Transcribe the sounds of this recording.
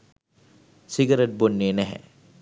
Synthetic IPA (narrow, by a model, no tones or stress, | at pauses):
sɪɡəɾeʈ̚bonːenɛɦɛ̰̃